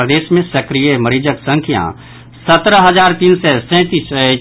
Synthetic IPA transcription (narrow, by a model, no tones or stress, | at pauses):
ɾəd̪eːʃmẽsɐkɾijeməɾiːd͡ʒəksə̃ŋkʰjã̰ | sɐt̪ɾəɦɐzaːɾt̪iːnsɛsɛ̃t̪iːs